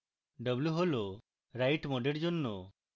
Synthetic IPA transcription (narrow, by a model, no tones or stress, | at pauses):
ɖəbluɦɔlɔ | ɾajʈmɔɖeɽd͡ʒɔnːɔ